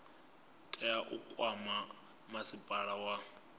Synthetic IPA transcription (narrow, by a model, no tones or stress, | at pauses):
tʼɛaʔukʼwama | masipʼaɺawa